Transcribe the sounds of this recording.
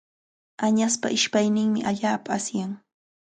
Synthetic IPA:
aɲaspa̰ʔɪʃpajnɪŋmɪʔaʎaːpaːsjaŋ

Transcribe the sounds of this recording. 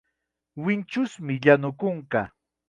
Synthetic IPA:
wɪnt͡ʃʊsmɪʎanʊkʊɴka

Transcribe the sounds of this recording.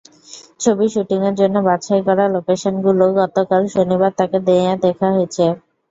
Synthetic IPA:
t͡ɕʰobiʃuʈiŋeɾd͡ʑonːobaɕʰaekɔɾalokeʃonɡuloɡɔt̪okalʃonibaɾt̪aked̪ead̪ɛkʰaɦojet͡ɕʰe

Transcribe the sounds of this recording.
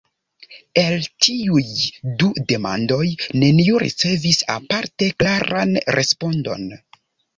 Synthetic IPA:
e̞ltʰiujdude̞ma̰ndo̞jne̞nioɾḭt͡se̞visa̰paɾte̞klaɾanɾʔespo̞ndo̞̰n

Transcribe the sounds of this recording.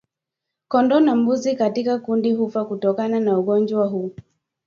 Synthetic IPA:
kɔndɔnambuzikatikakundiɦufakutɔkananauɠɔnd͡ʒwaɦu

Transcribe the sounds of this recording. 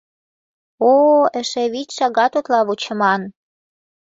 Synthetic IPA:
oə̆ʃĕβit͡ɕʃɑɣɑt̪ot̪lɑβut͡ɕə̆mɑn

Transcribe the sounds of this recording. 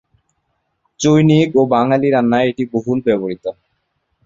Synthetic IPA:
t͡ɕojnikobaŋaliɾanːaeeʈiboɦuɾbɛboɾit̪o

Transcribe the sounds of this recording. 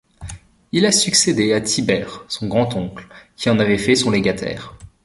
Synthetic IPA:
ilasyksed̪eat̪ʰibɛʁsɔ̃ɡʁɑ̃t̪ɔ̃klkʲiɑ̃navɛfɛsɔ̃lɛɡʲat̪ʰɛ̰ːʁ

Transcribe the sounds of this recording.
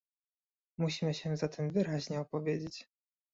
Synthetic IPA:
muɕimɘɕɛzat̪ʰɛmvɘɾaʑɲɛɔpɔvʲjed͡ʑet͡ɕ

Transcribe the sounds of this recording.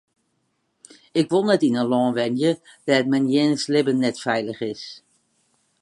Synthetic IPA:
ɪkʋolˠnɛtɪnənlɔŋʋɛnjəd̥ɛtmɛnjenəslɪbənːɛtfɛjləχɪs

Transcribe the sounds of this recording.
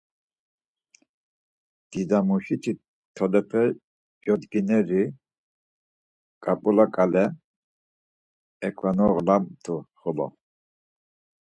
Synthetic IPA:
d̪̥id̪amuʃit̪ʰi | t̪ʰɔlɛpʰɛ | d͡ʒɔd̪ɡinɛɾi | kʼapʼulakʼalɛ | ɛkʼʰvanɔɣlamt̪ʰuχɔlɔ̰

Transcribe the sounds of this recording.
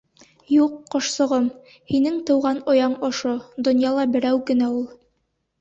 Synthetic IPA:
juqːŏʃsŏʁɤm | hinɘŋt̪ɤ̆wʁɑnojɑɴɒʃod̪ŏnjɑlˠɑbɘ̆ɾæwkɘ̆næulˠ

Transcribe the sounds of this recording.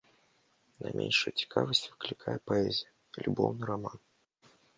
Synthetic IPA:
nɐ̰mʲʔḛnʲʂɨjt͡sʲi̥kʰavəsʲtʲvɨklʲɪkʰajɛpaɛzʲijə | lʲubɔwnɨɾaman

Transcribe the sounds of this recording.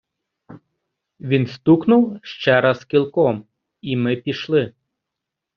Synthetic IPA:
ʋʲinst̪uknuwʃt͡ʃɛɾaskʲilˠkɔm | imɪpʲiʃlˠɪ

